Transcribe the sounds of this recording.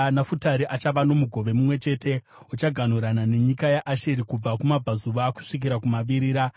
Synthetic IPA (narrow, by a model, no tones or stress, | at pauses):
nafutaɾiʔat͡ʃaʋano̞muɡʱo̞ʋe̞mumwe̞t͡ʃe̞te̞ | ot͡ʃaɡʱan̤uɾanane̞ɲikajaʔaʃeɾikub͡vakumab͡vazuʋaku̥ʂik̬iɾakumaʋiɾiːɾa